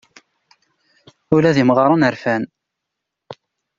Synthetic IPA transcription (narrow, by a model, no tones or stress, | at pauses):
ʊlæðimʁɑɾˤɑnəɾfæn